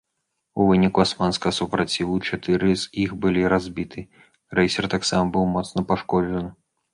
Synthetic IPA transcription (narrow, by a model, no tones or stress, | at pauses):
uvɨnʲikuasmanskɐɣɐsupɾat͡sʲivut͡ʂat̪ɨɾɨz̥ixbɨlʲiɾazʲbʲit̪ʰɨ | rɛjsʲɛrt̪aksamɐbɨwmɔt̪snɐpaʂkɔd͡ʐɐnɨ